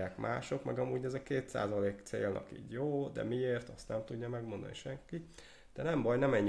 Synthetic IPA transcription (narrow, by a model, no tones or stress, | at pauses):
aːkmʔa̰ːʃo̞kmɛɡɒmuːɟɛzɛkeːt̪sa̰ːzɒleːkt̪sḛːlnʔɒ̰kḭːɟjoːd̪ɛ̰mieːrt̪ɒst̪nɛmt̪uɟːɒmɛɡmo̞nd̪ɒ̰niʃɛŋki | d̪̥ɛnɛmbɒjnɛmɛɲː